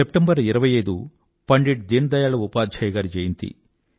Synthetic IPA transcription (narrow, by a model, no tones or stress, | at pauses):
sepʈembɐɾiɾɐʋɐjɐjd̪u | pɐɳɖiʈ̚d̪eːnd̪ɐjaːɭɐupaːd̪d͡ʒʱɐjɡaːɾid͡ʒɐjint̪ḭ